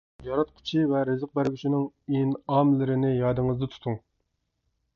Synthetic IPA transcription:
jɑɾɑt̪qʰʊ̥t͡ʃʰivɛɾɪzəq̚bæɾɡʲyt͡ʃʰinɪŋinɑmlɪɾɪnɪjɑːd̪ɨŋɨzd̪ɨt̪ʰu̥t̪ʰuŋ

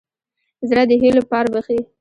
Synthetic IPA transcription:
zɽad̪əɦelopɑɾbəxe

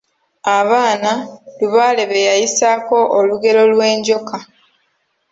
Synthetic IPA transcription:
aβaːnaluβaːle̞βejajisaːko̞ʔːluɡe̞lo̞lwe̞ːɲɟo̞ka

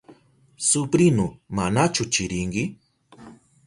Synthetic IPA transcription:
sʊpɾɪnʊmanat͡ʃʊt͡ʃɪɾɪŋkɪ

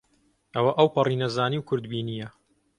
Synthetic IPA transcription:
ʔɐwɐʔɐwpɨrinɐzaːniwkʰʊɾd̪biːnijɐ

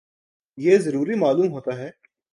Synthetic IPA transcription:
jeːzɐɾuːɾimaːluːmɦoːt̪aɦɛː

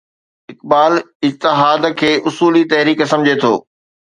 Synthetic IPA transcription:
ɪkbaːlɪd͡ʑt̪ɪɦaːd̪kʰeːʔʊsuːlit̪ɐɦɾiːksɐmd͡ʑʱet̪ʰo̰ː

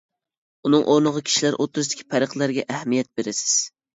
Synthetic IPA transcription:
unɨŋʔoɾnəʁəkʲʰi̥ʃilæɾʔot̪ːɾʊzd̪ɪ̥kʲʰi̥pʰæɾəqlˠæɾɡʲɛʔæhmijɛt̪̚beɾɪsɪ̥z̥

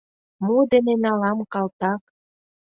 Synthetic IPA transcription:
mod̪enenɑlɑmkɑlt̪ɑk

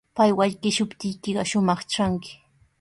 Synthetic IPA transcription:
pajwaʎkɪʃʊpt̪ɪjkɪɢɑʃʊmɑχt͡ʃaŋkɪ̥

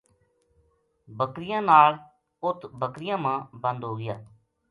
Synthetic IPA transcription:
bəkɾɪjãːnaːl | ʊt̪ʰbəkɾɪjãːmãːbə̃nd̪ɦoːɡɪja̰ː

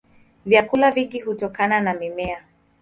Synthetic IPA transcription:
vjakulaviɡihutɔkananamimɛa

